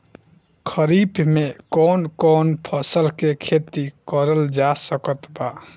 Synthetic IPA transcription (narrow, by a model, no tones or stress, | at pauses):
kʰəɾibmekɔːnkɔːnpʰəsəlkekʰet̪ikəɾəld͡ʒasəkət̪ba